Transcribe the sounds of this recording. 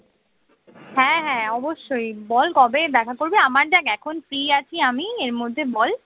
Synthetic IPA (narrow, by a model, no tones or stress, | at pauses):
hɛ̃ɦɛ̃ɔboʃːojbɔlkɔbeb̪ɛkʰakoɾbeamaɾɖɛkɛkʰonfɾiat͡ɕʰiamieɾmod̪ʱːebɔl